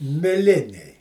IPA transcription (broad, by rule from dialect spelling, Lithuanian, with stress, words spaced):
mʲɪˈlʲɪnʲɛɪ